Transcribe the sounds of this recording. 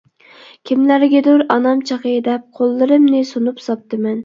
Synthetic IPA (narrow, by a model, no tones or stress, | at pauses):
kʲʰimlæɾɡʲɛd̪ʊɾɑnɑmt͡ʃʰɑqəd̪ɛp̚qʰolˠːɨɾɨmnɪsunupsɑp̚t̪ɨmɛn